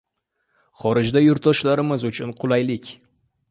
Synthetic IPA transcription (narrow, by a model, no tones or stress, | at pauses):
χɒɾɪd͡ʒd̪ajʊɾt̪ɒʃlaɾɪmɪzʊt͡ʃʰʊnqʰʊlˠajlɪkʲ